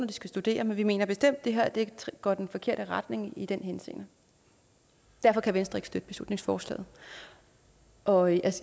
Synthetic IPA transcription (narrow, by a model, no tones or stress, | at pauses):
nɐd̥isɡ̥æsd̥ud̥e̝̰ːɐmenʋime̝̰ːnɐb̥e̝sd̥em̰d̥ːe̝ɦeɐd̥e̝̥ɡ̥ɒd̥enfɒ̽kʰe̝ɐ̰ɾ̥əʁɑd̥ne̝ŋid̥enɦense̝̰ːnə | d̥æɐ̰fɒ̽kʰæʋensd̥ʁe̝ɡ̥sd̥ød̥əb̥e̝slṵd̥ne̝ŋsfɒːslɛ̰ːð̩ˠ | ʔɒ̽ʔæs